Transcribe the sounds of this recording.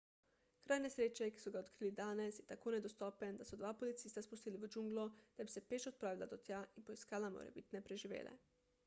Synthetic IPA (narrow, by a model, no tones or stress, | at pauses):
kɾʔaːjnesɾeːt͡ʃɛki̥sɔɡaot̪kɾiːlid̪aːnɛsjɛt̪akoːnɛd̪ost̪ɔːpɛnd̪asɔd̪ʋaːpolit̪siːst̪aspust̪iːliʋəd͡ʒuŋɡlod̪̥abisɛpeːt͡ʃɔt̪̚pɾaːʋila̰d̪ot̪jaʔinpoiskaːlamo̰ɾɛ̰bit̪nɛpɾeʒiʋḛːlɛ̰